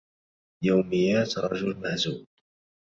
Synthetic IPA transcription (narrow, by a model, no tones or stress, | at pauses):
jawmɪjːaːt̪ɾˤɑʒʊlmaʕzuːl